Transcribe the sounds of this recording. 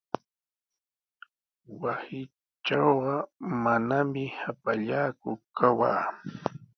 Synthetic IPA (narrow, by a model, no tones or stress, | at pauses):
wasɪ | t͡ʃawɢɑmanamɪhapaʎaːkʊkawa̰ː